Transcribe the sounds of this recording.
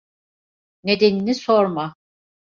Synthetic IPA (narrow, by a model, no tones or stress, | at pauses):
ne̞d̪eninisoɾma